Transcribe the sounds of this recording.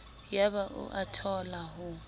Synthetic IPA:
jaβaʔʊ̰ʔatʰɔlahʊ

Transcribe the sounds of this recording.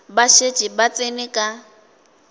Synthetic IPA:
baʃe̥ʒ̥ʱibat͡sʼenikʼa

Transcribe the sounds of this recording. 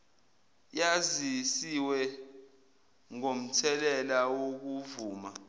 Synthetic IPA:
jazisiwɛ | ŋom̩tʰɛlɛlawok̬uvuːma

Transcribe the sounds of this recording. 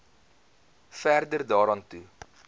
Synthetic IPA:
færdərdɑːɾɑːntu

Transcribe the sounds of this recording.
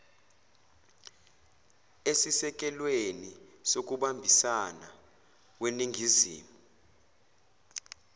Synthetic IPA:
esisɛk̬ʼɛlwenisok̬uɓambʱisana̰ | weniŋʱizḭːmuu

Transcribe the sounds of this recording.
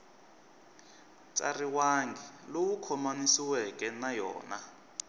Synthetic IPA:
t͡sʼa̰riwaŋɡʱɛlowukʰɔmanisiwɛkʼɛnajɔ̰ːna

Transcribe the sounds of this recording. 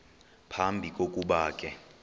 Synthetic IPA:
pʰambʱikʼokʼuɓaːkʼɛ

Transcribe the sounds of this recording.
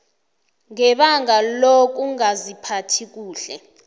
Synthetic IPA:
ŋɛɓaŋalok̬ʼuŋazipʰatʰik̬uːɬɛ̰

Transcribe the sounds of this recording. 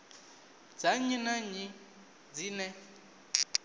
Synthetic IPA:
d͡zaɲinaɲi | d͡zinɛ

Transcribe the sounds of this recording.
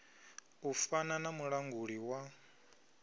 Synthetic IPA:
ufananamuɺaŋɡuɺiwa

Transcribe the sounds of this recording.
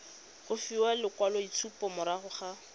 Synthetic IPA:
χʊfiwalɪkwalɔit͡sʰupɔmʊɾaχʊχa

